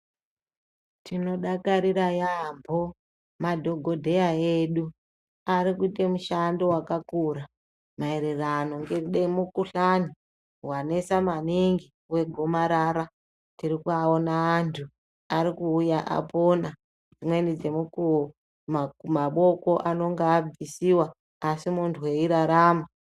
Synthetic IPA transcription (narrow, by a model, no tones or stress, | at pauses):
tino̞ɗakaɾiɾajambʱo̞ | madʱo̞ɡʱo̞dʱe̞aeɗu | aɾikuitemuʃando̞wakakura | mae̞ɾe̞rano̞ŋɡeɗemukuɬani | wane̞samaniŋɡi | we̞ɡʱo̞maɾaɾa | tirikuaonaːntʰu | aɾikuːjaʔa̰pona | d͡zimwe̞nid͡ze̞muku | mamaɓo̞ko̞ʔano̞ŋɡaːb͡visiwaː | simuntʰuwe̞iɾaɾaːma